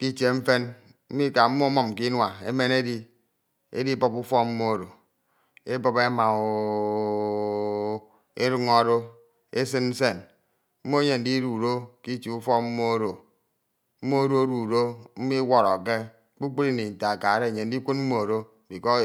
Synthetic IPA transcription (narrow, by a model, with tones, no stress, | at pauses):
ki˦t͡ʃe˨ɱ̩˦fe˦n | m̩˦mi˦ka˨m̩˦mo˦mɔ˨m˨ki˦nwa˨ḛ˦me˦ne˦di˦ | ḛ˦di˦bɔ˦pu˦fɔ˦m̩˦mo˦o˨ɾo˨ | e˦bɔ˦pe˦ma˨o˨ | e˦ɾu˦ŋɔ˦ɾo˦ | e˦s̬ɨ˦nn̩˦se˦˨n | m̩˦mo˦e˦ɲe˨n̩˦di˦ɾu˨ɾo˦ki˦t͡ʃi˨u˦fɔ˦m̩˦mo˦o˦ɾo˨ | m̩˦mo˦o˦ɾo˦ɾu˨ɾo˦m̩˦mi˦wɔ˦ɾɔ˨ke˦ | k͡pu˦k͡pu˦ɾi˦ni˨n̩˨ta˨ka˨˦ɾe˦˨ɲe˨n̩˦di˦kʷu˦nm̩˦mo˦o˨ɾo˦˨di˨kɔ˦